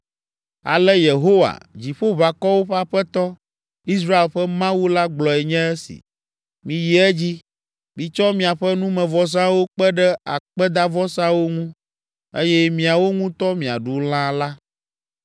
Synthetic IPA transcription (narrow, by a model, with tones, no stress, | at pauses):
a̰˨lɛ˦je˨ɦo˦wa̰˨d͡ʑi˨ɸo˦βa˨kɔ˦wo˦ɸa˦ɸɛ˦t̪ɔ˦ | i˦s̬ɾa˦e˨lɸɛ˦mã˦wu˦la˦ɡ͡blɔ˨ɛ˨ɲɛ̃˦ɛ˦sḭ˨ | mĩ˨ji˨ɛ˦d͡ʑi˦ | mĩ˨t͡ʃɔ˦mĩ˨a˨ɸɛ˦nũ˦mɛ̃˨vɔ˨s̬ã˦wo˦k͡pɛ˦ɖɛ˦a̰˨k͡pɛ˦d̪a˦vɔ˦sã˦wo˦ŋũ˦ | ḛ˦jɛ˦mĩ˨a˨wo˦ŋũ˦t̪ɔ˦mĩ˨a̰˨ɖu˨l̃ã˦la˦